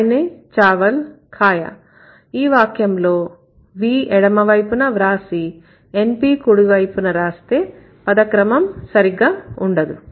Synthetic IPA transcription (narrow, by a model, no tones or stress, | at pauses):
net͡ʃaːʋɐl | kʰaːjɐ̰ | iːʋaːkjɐmlo̞ː | ʋiːʔɛɽɐmɐʋɐjpunɐʋɾaːsi | empiːkuɽuɡɐjpunɐɾaːst̪e̞ː | pɐd̪ɐkɾɐmɐmsɐɾiɡːaːuɳɖɐd̪u